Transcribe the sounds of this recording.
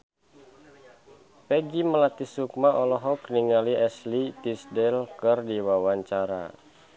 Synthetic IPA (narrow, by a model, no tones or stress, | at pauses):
pɛɡiməlat̪isuk̚maʔɔlɔɦɔkniŋaliɛslit̪isdɛlkɨrdiwawaɲt͡ʃaɾa̰